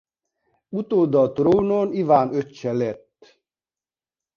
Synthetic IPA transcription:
ut̪oːd̪ɒt̪ɾoːnoːnivaːnøt͡ʃːɛlɛt̪ː

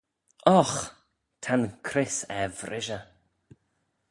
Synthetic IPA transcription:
ɔx | tʰankʰɾɪsɛvɾɪʒə

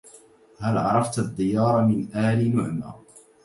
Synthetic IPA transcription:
halʕɑɾˤɑft̪ad̪ːɪjɑːɾˤɑmɪnʔaːlinʊʕma̰ː

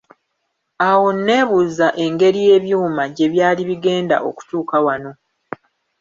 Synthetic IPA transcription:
awo̞nːe̞ːβuːzaʔe̞ŋɡe̞ɾije̞ːβjuːmaɟe̞βjaːliβiɡe̞ːnda̰ʔo̞̰ku̥tuːkawano̞

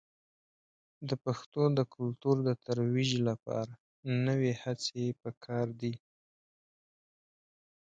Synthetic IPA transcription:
d̪əpaxt̪od̪əkʰʊlt̪uɾd̪ət̪aɾwiʒlapɑ̰ɾa | nəwehat͡sepəkʰɑɾd̪i

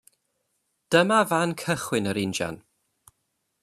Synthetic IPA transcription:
d̥əmavankʰəχwɪnəɾɪnd͡ʒa̰n

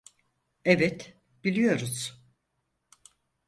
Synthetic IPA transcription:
ɛvɛt̪ | b̥ilʲijo̞ɾuz̥

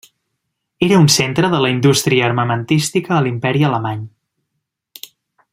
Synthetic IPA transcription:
eɾəunsent̪ɾəðələind̪ust̪ɾiəːrməmənt̪ist̪ikəːlimpɛɾiələmaɲ

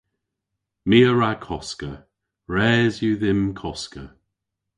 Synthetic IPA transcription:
miːəɹakʰɔskə | ɹɛːzjuðɪmkʰɔskə̰

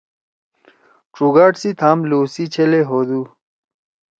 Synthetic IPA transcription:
ʈ͡ʂuɡaːʈsit̪ʰaːmluːsit͡ɕʰeleɦoːd̪u

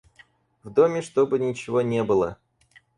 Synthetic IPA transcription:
vd̪omʲɪʂt̪obɨnʲɪt͡ɕɪvonʲebɨlˠə̰

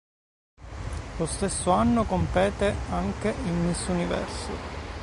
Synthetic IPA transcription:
lost̪esːoanːokompɛːt̪eaŋkeʔilmisunivɛ̰rsʊ̰

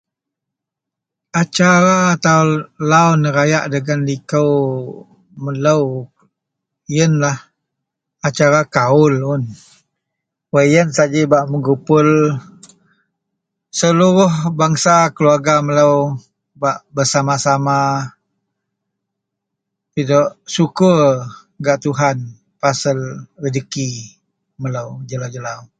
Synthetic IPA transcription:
at͡ʃaɾaːt̪alawnəɾajaʔdəɡandikəw | mələw | jənlah | at͡ʃaɾakaʊlʊn | wəjənsad͡ʒibaʔməɡupʊl | səluɾʊhbaŋsakəluarɡamələw | baʔbərsamasama | t̪idɔʔsukər | ɡaʔt̪uɦan | pasəlɾədəki | mələwd͡ʒəlawd͡ʒəlaw

